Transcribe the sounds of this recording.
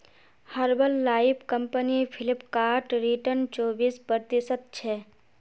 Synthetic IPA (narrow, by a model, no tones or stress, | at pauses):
həɾbəlːaːipʰkəmpənipʰɪlɪpkaːɾʈɾiʈəɾnt͡ʃoːbispəɾt̪isət̪̚t͡ʃʰe